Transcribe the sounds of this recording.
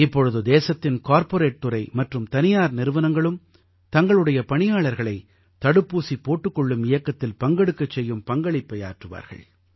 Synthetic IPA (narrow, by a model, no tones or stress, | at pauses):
ɪpːɔɻɯðɯd̪eːsɐt̪ːɪnkaːɾpɔɾeːʈːɯɾɐɪmɐʈrɯmt̪ɐnɪjaːɾnɪɾɯʋɐnɐŋɡɐɭɯm | t̪ɐŋɡɐɭɯɽɐjɐpɐɳɪjaːɭɐɾɣɐɭɐɪ | t̪ɐɽɯpːuːsipːoːʈːɯkːɔɭːɯmɪjɐkːɐt̪ːɪlpɐŋɡɐɽɯkːɐt͡ʃːɛjːɯmpɐŋɡɐɭɪpːɐja̰ːʈrɯʋa̰ːɾɣɐ̰ɭ